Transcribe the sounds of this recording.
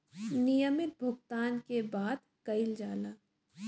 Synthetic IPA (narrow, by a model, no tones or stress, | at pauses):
nijəmɪt̪̚bʱʊɡt̪aːnkebaːd̪̚ | kɐɪld͡ʒaːlaː